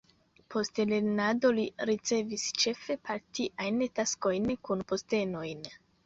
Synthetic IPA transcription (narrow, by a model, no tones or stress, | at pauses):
pʰo̞stele̞ɾnado̞liɾit͡se̞vist͡ʃe̞fe̞paɾtiʔajntasko̞jnkunpo̞ste̞no̞jn